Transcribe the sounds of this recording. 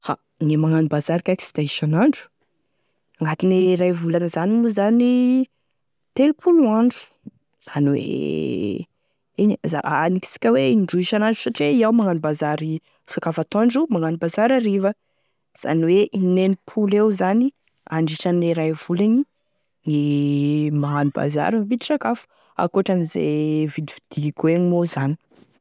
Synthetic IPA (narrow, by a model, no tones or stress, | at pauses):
fa̰ | nimaŋanibazaɾikʲaki̥si̥d̪aiʃanaɳɖ͡ʐu̥ | aŋɡat̪ineɾajvulanizanimuzani | t̪elupʰuluaɳɖ͡ʐu̥ | z̥aniwḛ | iniza̰aniki̥si̥kʲəweiɳɖ͡ʐuiʃanaɳɖ͡ʐu̥saʈ͡ʂieiawmaŋanibazaɾi | fakafat̪oɳɖ͡ʐumaŋanibazaɾaɾivə | z̥a̰niweʔinenipʰulewzani | aɳɖ͡ʐiʈ͡ʂaneɾajv̥ulaɲi | ŋi | maɦaniba̰za̰ɾipid̪iʈ͡ʂakafu̥ | a̰koʈ͡ʂanizḛvid̪ivid̪̥ikueɲimozani̥